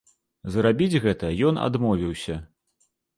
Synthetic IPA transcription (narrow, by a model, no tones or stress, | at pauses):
zɾabʲid͡zʲɣɛt̪ɐjɔna̰d̪mɔvʲiwsʲɐ